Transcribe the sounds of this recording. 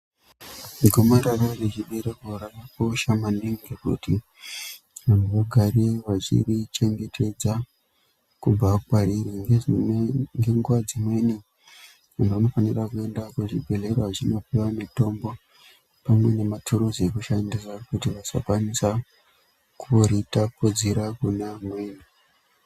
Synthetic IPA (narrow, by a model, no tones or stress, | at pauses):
miɡʱomaɾarareʐiɓerekorarakoʃamaniŋɡekṵti | ʋamoɡʱarieʋat͡ʃḭrit͡ʃe̞ŋɡe̞tʰe̞d͡za | kub͡vakukaɾiriŋɡeʐiŋɡe̞ŋɡwad͡zimwe̞ni | unʋano̞fanirakue̞ndakuʐibʱe̞le̞raʐino̞piwamito̞mbo̞ | pamwe̞ne̞matʰuɾuzekuʃandisakutiʋasa̰kwanisa | kuoɾitapod͡ziɾakunamweːni